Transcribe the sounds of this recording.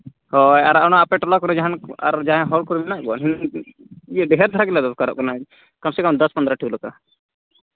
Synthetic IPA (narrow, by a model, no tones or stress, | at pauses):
hɔjaɾanaːpɛʈɔlakɔɾɛd͡ʒaɦana̰ɾd͡ʒaɦɛ̃ɦɔlkɔɾminaʔkɔɔ̰nɦin | ijɛɖɛɦɛɾd̪ʱaɾakɛlad̪ɔkaɾɔ̰ʔ̚kɔna | kamsɛkɔmd̪ɔspɔnd̪ɾaʈʰiulaka̰